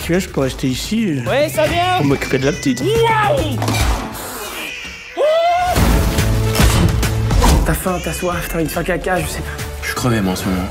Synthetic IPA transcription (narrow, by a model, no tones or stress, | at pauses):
t̪ʰyɛʒəpøʁɛst̪eisiwisɛbjɛ̃umɔkʲy̥ped̪əlapt̪it̪ | w | t̪afãt̪aswaft̪ʰãifɛ̃kakʲaʒəsepa | ʃy̥kχəvɛmwãsmɔmɑ̃